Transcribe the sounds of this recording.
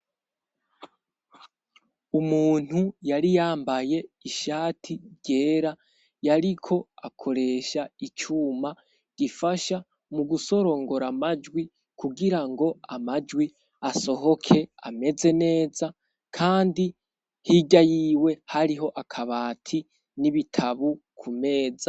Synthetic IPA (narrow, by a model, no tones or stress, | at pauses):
umuːn̥hujaɾijaːmbaje̞iʃaːtʰiɾɟe̞ːɾa | jaɾikʰo̞akʰo̞ɾe̞ʃait͡ʃuːma | ɡ̥ifaʃa | muɡuso̞ɾo̞ŋɡo̞ɾamad͡ʒwi | kʰuɡiɾaŋɡo̞amad͡ʒwi | aso̞ɦo̞kʰe̞a̰me̞ze̞ne̞ːza | kʰaːndi | hiɟajiwe̞haɾiɦo̞ʔakʰaβaːtʰi | niβitʰaβu | kʰume̞ːd͡za